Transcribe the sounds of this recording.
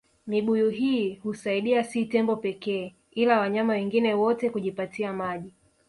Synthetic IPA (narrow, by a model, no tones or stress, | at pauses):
miɓujuɦiːhusaiɗiasitɛmbɔpɛkɛː | ilawaɲamawɛŋɡinɛwɔtɛkuʄipatiamaʄi